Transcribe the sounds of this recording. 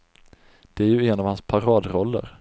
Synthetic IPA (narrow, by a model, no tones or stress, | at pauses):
d̪̥ɛæɾjɵɛnɑvhanspʰaɾɑːd̪ɾɔlːə̰ɾ